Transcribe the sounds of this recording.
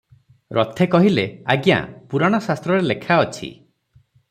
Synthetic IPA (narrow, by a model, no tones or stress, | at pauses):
ɾʔɔt̪ʰekɔɦileaɡja̰puɾaɽ̃ɔsast̪ɾɔɾelekʰaɔt͡ʃʰḭ